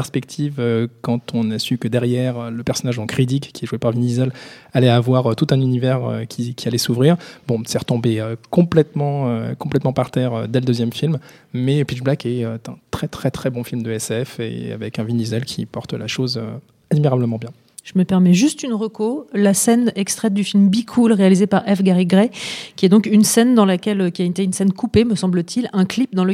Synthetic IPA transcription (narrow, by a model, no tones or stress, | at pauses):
ɛʁspɛkt̪ʰivøkɑ̃t̪ʰɔ̃nasykəd̪ɛʁjɛʁøləpɛʁsɔnaʒɔ̃kχid̪ikːʲiɛʒwepaʁvinizɛlalɛavwaʁøt̪ut̪ɛ̃nynivɛʁø̰kʲʰikʲʰialɛsuvʁiʁbɔ̃sɛʁə̥t̪ɔ̃beøkɔ̃plɛt̪mɑ̃økɔ̃plɛt̪mɑ̃paʁt̪ɛʁød̪ɛləd̪øzjɛmfilmmɛpiʒblakɛøt̪ɛ̰̃t̪χɛt̪χɛt̪χɛbɔ̃filmd̪əɛsɛfḛa̰vɛkɛ̃vinizɛlkʲʰipɔʁt̪laʃozø | ad̪miʁabləmɑ̃bjɛ̃ | ʒ̥əməpɛʁmɛʒyst̪ynʁəkolasɛnɛkst̪χɛt̪̚d̪yfilmbikʰulʁealizepaʁɛfɡaʁiɡʁɛkʲiɛd̪ɔ̃kynsɛnd̪ɑ̃lakʲɛlkʲiaynt̪eynsɛnkʰupeməsɑ̃blət̪ʰilɛ̃klip̚d̪ɑ̃lə